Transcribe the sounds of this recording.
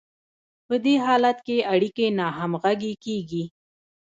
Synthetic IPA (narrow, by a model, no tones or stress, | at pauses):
pəd̪eɦɑlat̪keaɽikenɑɦamɣaɡekeɡi